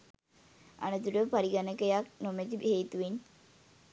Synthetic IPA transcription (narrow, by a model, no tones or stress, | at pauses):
a̰nut̪uɖəpaɾiɡanəkəjak̚nomet̪iheːt̪uʋeɲ